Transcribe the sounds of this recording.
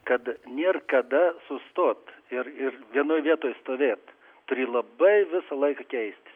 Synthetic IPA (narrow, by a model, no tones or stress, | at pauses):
kɐt̪nʲiɛrkɐd̪ɐsʊst̪oːt̪ɪrɪrʋʲiɛnoːjʋʲiɛt̪oːjst̪oːʋʲeːt̪ | t̪ʊɾʲiːlˠɐbɐɪʋʲɪsɐlˠɐɪkɑkʲɛɪsʲt̪ʲɪ